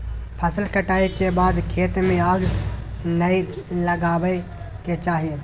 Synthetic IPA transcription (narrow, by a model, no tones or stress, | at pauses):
pʰəsəlkəʈaːekebaːd̪kʰeːt̪mẽaːɡ | nəi | ləɡaːʋə | ket͡ʃaːɦie